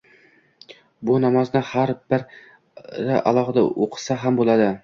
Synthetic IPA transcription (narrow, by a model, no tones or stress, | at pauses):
bʊnɒmaznɪhaɾbɪɾ | ɾɪʔa̰lˠɒʁɨd̪a̰ʔoqʰɨ̥saɦambolˠad̪ɪ